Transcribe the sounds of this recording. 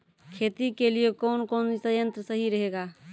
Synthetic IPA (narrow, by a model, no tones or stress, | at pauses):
kʰet̪ikelijekɔʊnkonsəjə̃nt̪ɾəsəɦiɾəɦeɡa